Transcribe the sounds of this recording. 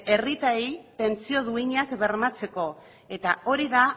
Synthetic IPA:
e̞rit̪ajt̪e̞nt͡sio̞ðuiɲakβe̞ɾmat͡se̞ko̞ | e̞t̪ao̞ɾiða

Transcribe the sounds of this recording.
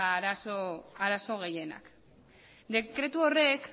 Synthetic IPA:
aɾasoaɾaso̞ɣ̞e̞je̞na̰k | d̪e̞kɾe̞t̪uo̞re̞k

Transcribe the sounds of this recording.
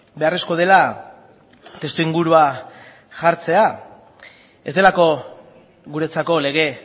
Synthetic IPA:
be̞are̞sko̞ð̞e̞la | t̪e̞st̪uiŋɡuɾua | ʝaɾt͡se̞a | e̞zd̪e̞lako̞ | ɣuɾe̞t͡sako̞le̞ɣ̞e̞

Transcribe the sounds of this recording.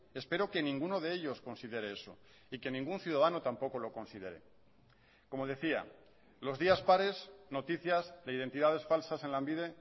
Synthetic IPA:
e̞spe̞ɾo̞ke̞nĩŋɡuno̞ðe̞eʎo̞sko̞nsiðe̞ɾeeso̞̰ | ike̞nĩŋɡunθjuðaðanot̪ampo̞ko̞lo̞ko̞nsiðe̞ɾe̞̰ | ko̞mo̞ð̞e̞θia̰ | lo̞zðiaspaɾe̞zno̞t̪iθjazðe̞iðe̞nt̪iðað̞e̞sfalsase̞nlambiðe̞

